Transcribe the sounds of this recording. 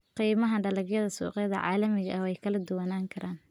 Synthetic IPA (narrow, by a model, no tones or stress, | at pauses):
qiːmɐɦɐɖɐlɐɡjɐðɐsṵːqɛðɐʕa̰ːlɐmɪɣɐʔɛjkʰɐlɐd̪ʊwɐnaːŋkʰɐɾʔaːn